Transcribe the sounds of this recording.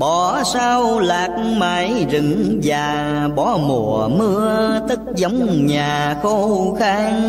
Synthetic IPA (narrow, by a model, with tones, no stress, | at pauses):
ɓɔ˧˩saː˧wlaː˨˩k̚maː˨˩jzɨ˨˩ŋzaː˨˩ | ɓɔ˨˦mo̰˨˧˩mɨ˧ət̪ɨ˦˥k̚zə˨˦wŋ͡mɲaː˨˩xo˧xaː˧ŋ